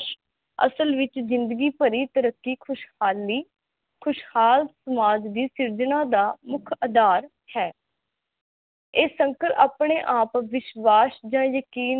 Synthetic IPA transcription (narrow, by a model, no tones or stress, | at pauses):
ə̰səlʋɪt͡ʃzɪ̃nd̪əɡiːpəɾiːt̪əɾəkːiːkʰʊʃhaːlːiː | kʰʊʃhaːlsəmaːd͡ʒd̪iːsɪɾd͡ʒənãːd̪aːmʊkʰəd̪aːɾ | hɛː | eːsəŋkəɾaːpɳeːʔaːpʋɪʃʋaːsd͡ʒãːjəkiːn